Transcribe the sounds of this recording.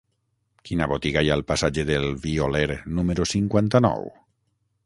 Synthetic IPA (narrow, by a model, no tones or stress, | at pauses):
kinaβot̪iɣajalpasad͡ʒeðelβioleɾnumeɾosiŋkwant̪anɔ̰w